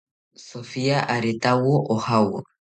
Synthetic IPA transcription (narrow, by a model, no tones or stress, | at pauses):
sofiaʔaɾet̪awoʔohawo